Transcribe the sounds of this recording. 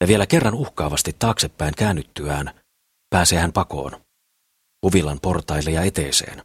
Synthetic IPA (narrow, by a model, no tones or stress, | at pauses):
jɑʋie̞læke̞rːɑnuhkɑːʋɑst̪it̪ːɑːksepːæiŋkæːnːyt̪ːyæːn | pæːseːhæmpɑko̞̰ːn | uʋilːɑnpo̞rt̪ɑjlːejɑe̞t̪eːsḛːn